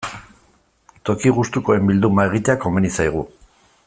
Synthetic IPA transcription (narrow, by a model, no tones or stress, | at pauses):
t̪o̞kiɣ̞ust̪uko̞e̞mbild̪umae̞ɣ̞it̪eako̞menisajɣ̞u